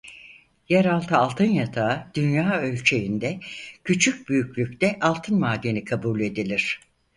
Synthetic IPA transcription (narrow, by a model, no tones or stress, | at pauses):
jɛɾalˠt̪ʰɯalˠt̪ʰɯnjat̪ʰad̪̥ynjaːø̞lʲt͡ʃʰejind̪ɛcʰyt͡ʃʰyc̚byjycʰʲlʲycʲt̪ɛʔalˠt̪ʰɯnmaːd̪ːe̞nikʰabuːlʲe̞d̪ilʲiɾ̝̥